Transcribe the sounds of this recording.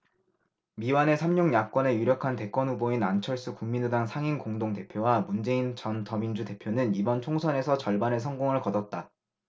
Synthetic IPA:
miwane̞sʰamɲuŋɲak̚k͈wʌne̞juɾjʌkʰante̞k͈wʌnɸuboinant͡ɕʰʌɭs͈ɯkuŋmindudaŋsʰaŋinkoŋdoŋte̞pʰjowamund͡ʑe̞int͡ɕʌntʌmind͡ʑute̞pʰjonɯnibʌnt͡ɕʰoŋsʰʌne̞sʰʌt͡ɕʌɭbane̞s̬ʰʌŋɡoŋɯɭkʌdʌt̚t͈a

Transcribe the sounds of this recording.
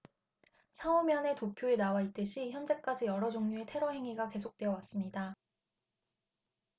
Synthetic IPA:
sʰaomjʌne̞topʰjoe̞nawait͈ɯɕʰiçjʌnd͡ʑe̞k͈ad͡ʑijʌɾʌd͡ʑoŋɲue̞tʰe̞ɾʌɦe̞ŋiɡake̞sʰok̚t͈we̞ʌwas͈ɯmɲida

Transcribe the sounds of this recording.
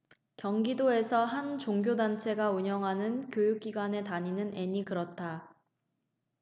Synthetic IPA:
kjʌŋɡidoe̞sʰʌɦant͡ɕoŋɡjodant͡ɕʰe̞ɡauɲʌŋɦanɯnkjojuk̚k͈iɡwane̞taɲinɯnʔe̞ɲikɯɾʌt̚t͈ʰa

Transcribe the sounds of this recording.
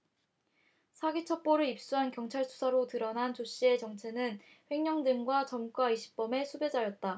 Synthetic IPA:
sʰaɡit͡ɕʰʌp͈oɾɯip̚s͈uɦankjʌŋt͡ɕʰaɭsʰu̥sʰaɾotɯɾʌnɦant͡ɕoɕ͈ie̞t͡ɕʌŋt͡ɕʰe̞nɯn | ɸwe̞ŋɲʌŋdɯmɡwat͡ɕʌmk͈waiɕʰi̥p̚p͈ʌme̞sʰube̞d͡ʑajʌt̚t͈a

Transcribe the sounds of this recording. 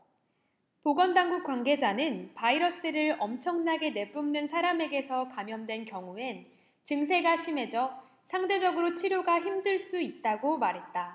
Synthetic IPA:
poɡʌndaŋɡuk͈̚wanɡe̞d͡ʑanɯnpaiɾʌs͈ɯɾɯɾʌmt͡ɕʰʌŋnaɡe̞ne̞p͈umnɯnsʰaɾame̞ɡe̞sʰʌkamjʌndwe̞nkjʌŋue̞n | t͡ɕɯŋs̬ʰe̞ɡaɕʰime̞d͡ʑʌ | sʰaŋde̞d͡ʑʌɡɯɾot͡ɕʰiɾjoɡaçimdɯɭs͈uit̚t͈aɡomaɾɦe̞t̚t͈a

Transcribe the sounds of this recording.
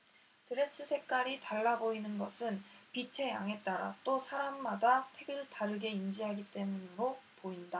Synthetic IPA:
tɯɾe̞s͈ɯsʰe̞k̚k͈aɾitaɭːaboinɯnɡʌsʰɯnpit͡ɕʰe̞jaŋɦe̞t̚t͈aɾa̰t͈osʰaɾamːadasʰe̞ɡɯɭtaɾɯɡe̞ind͡ʑiɦaɡit͈e̞munɾopoinda

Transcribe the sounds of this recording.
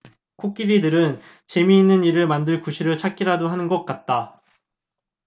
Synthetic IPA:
kʰok͈iɾidɯɾɯn | t͡ɕe̞miːnːɯniɾɯɭmandɯɭkuɕʰiɾɯɭt͡ɕʰak͈iɾadoɦanɯnɡʌk̚k͈at̚t͈a

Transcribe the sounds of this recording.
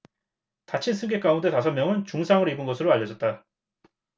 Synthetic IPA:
tat͡ɕʰinsʰɯŋɡe̞k͈aunde̞tasʰʌmjʌŋɯnt͡ɕuŋsʰaŋɯɾoibɯnɡʌsʰɯɾoaʎjːʌd͡ʑʌt̚t͈a

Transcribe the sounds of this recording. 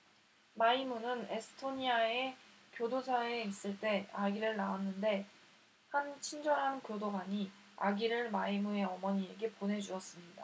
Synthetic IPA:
maimunɯne̞sʰɯ̥tʰoɲiae̞kjodosʰaeis͈ɯɭt͈e̞aɡiɾɯɭnaanːɯnde̞ | hant͡ɕʰind͡ʑʌɾɦankjodoɡaɲi | a̰ɡiɾɯɭmaimue̞ʌmʌɲie̞ɡe̞ponɦe̞d͡ʑuʌs͈ɯmɲida

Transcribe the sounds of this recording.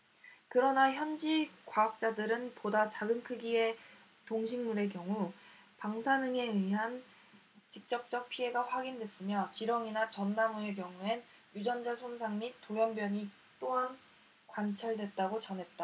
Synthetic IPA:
kɯɾʌnaçjʌnd͡ʑikwaak̚t͡ɕ͈adɯɾɯnpodat͡ɕaɡɯnkʰɯɡie̞ | toŋɕʰiŋmuɾe̞kjʌŋupaŋsʰanɯŋe̞ɯɦan | t͡ɕik̚t͡ɕ͈ʌp̚t͡ɕ͈ʌk̚pʰie̞ɡaɸwaɡindwe̞s͈ɯmjʌt͡ɕiɾʌŋinat͡ɕʌnːamue̞k̬jʌŋuen | jud͡ʑʌmd͡ʑasʰonsʰaŋmitt͈ːojʌnbjʌɲi | t͈oan | kwant͡ɕʰaɭdwe̞t̚t͈aɡot͡ɕʌnɦe̞t̚t͈a

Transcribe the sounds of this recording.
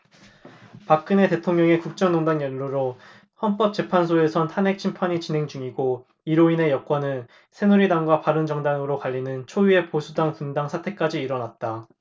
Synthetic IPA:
pak͈ɯne̞te̞tʰoŋɲʌŋe̞kuk̚t͡ɕ͈ʌŋnoŋdaŋjʌnːuɾo | hʌnp͈ʌp̚t͡ɕ͈e̞pʰansʰoe̞sʰʌntʰanɦe̞k̚t͡ɕʰimpʰaɲit͡ɕinɦe̞ŋd͡ʑuŋiɡo | iɾoine̞jʌk͈wʌnɯn | sʰe̞nuɾidaŋɡwapaɾɯnd͡ʑʌŋdaŋɯɾokaʎːinɯnt͡ɕʰojue̞posʰudaŋkundaŋsʰatʰe̞k͈ad͡ʑiːɾʌnat̚t͈a

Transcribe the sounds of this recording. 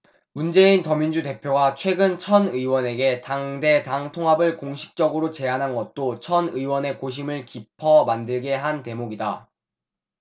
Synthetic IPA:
mund͡ʑe̞intʌmind͡ʑute̞pʰjoɡat͡ɕʰwe̞ɡɯnt͡ɕʰʌnɯiwʌne̞ɡe̞taŋde̞taŋtʰoŋɦabɯɭkoŋɕʰi̥k̚t͡ɕ͈ʌɡɯɾot͡ɕe̞anɦanɡʌt̚t͈ot͡ɕʰʌnɯiwʌne̞koɕ̬ʰimɯɭkipʰʌmandɯɭɡe̞ɦante̞moɡida

